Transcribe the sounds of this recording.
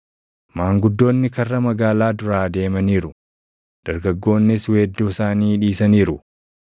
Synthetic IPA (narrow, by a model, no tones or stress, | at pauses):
maːŋɡʊd̪ːo̞ːnːɪkɐrːɐmɐɡaːlaːd̪ʊɾaːd̪e̞ːmɐniːɾʊ | d̪̥ɐɾɡɐɡːo̞ːnːɪsweːd̪ːuːsaːniːᶑiːsɐniːɾʊ